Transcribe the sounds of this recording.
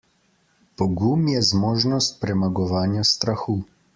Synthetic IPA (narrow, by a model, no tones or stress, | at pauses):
pɔɡumjɛzmoːʒnɔst̪̚pɾɛmaɡɔʋaːnjast̪ɾaxuː